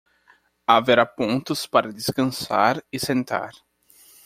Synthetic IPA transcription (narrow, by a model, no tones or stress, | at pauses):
aveɾapõnt̪ʊspaɾɐd̪eskɐ̃sa̰ɾɪsẽnt̪a̰ɾ